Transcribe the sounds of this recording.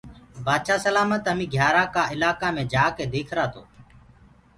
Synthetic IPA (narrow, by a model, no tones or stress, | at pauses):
baːd̪ʃaːsəlaːməːt̪ɦəmĩːɡʱjaːɾãːkaːɪlaːkãːmẽːd͡ʒaːkeːd̪eːkʰɾaːt̪ʰo̰ː